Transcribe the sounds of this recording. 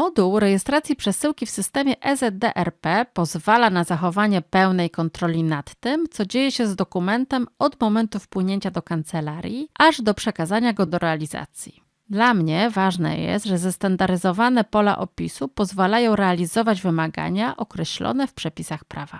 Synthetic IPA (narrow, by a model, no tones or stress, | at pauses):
mɔd̪uwɾɛjɛst̪ɾat̪sʲjipʂɛsɘwkʲifsɘst̪ɛmʲjɛʔɛzɛd̪d̪ɛʔɛɾpɛpɔzvalanazaxɔvaɲɛpɛwnɛjkɔnt̪ɾɔlʲinat̪ːɘmt̪sɔd͡ʑejɛɕɛzd̪ɔkumɛnt̪ɛmɔd̪mɔmɛnt̪ufpwɘɲeɲt͡ɕad̪ɔkant̪sɛlaɾʲjiʔaʐd̪ɔpʂɛkazaɲaɡɔd̪ɔɾɛalʲiza̰t̪sʲji | d̪lamɲɛvaʐnɛ̰jɛ̰st̪ʐɛzɛst̪and̪aɾɘzɔvanɛpɔla̰ʔɔ̰pʲisupɔzvalajɔ̃w̃ɾɛalʲizɔvad͡ʑvɘmaɡa̰ɲaʔɔkɾɛɕlɔ̰nɛfpʂɛpʲisaxpɾava